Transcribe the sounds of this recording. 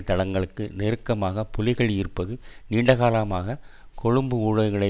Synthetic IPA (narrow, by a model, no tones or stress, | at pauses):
t̪ːɐɽɐŋɡɐɭɯkːɯnɛɾɯkːɐmaːɣɐpɔlɪɣɐɭjɪɾɯpːɐðɯniːɳɖɐɣaːlamaːɣɐ | kɔɻɯmbɯuːɻɐʋɯɣɐɭɐɪ